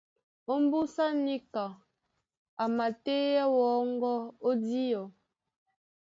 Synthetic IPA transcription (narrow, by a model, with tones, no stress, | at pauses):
o˦m˦bu˦sa˦ni˦ka˨ | a˨ma˨te˦ja˦wɔː˨˦ŋ˦ɡɔ˦o˦di˦ɔ˨